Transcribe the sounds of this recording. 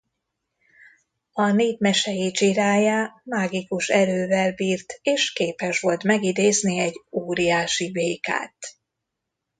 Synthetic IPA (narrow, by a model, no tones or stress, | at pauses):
ɒneːdmɛʃɛjit͡ʃiɾaːjaːmaːɡikuʃɛɾøːvɛlbiːrt̪eːʃkeːpɛʃʋo̞lt̪mɛɡid̪eːzniɛɟoːɾijaːʃiveːka̰ːt̪